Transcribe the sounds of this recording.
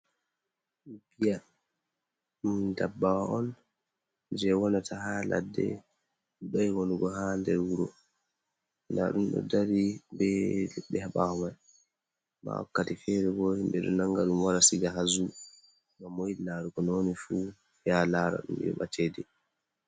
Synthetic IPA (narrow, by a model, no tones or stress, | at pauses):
bija | mundabːawaɔn | d͡ʒɛwɔnatʰaɦala̰dːɛ̰ | ɗɔjwonuɡɔɦandɛɾwuɾɔ̰ | nda̰ɗumɗɔ̰daɾibɛlɛɓɛhaɓahɔmaj | ma̰wa̰kːatifɛɾɛɡɔhimɓɛɗɔnaŋɡaɗumwaɾasiɡaɦazu | mamoilaɾukɔnonifu | fijalaɾa̰ɗṵm̰ɔ̰ɓatʰedɛ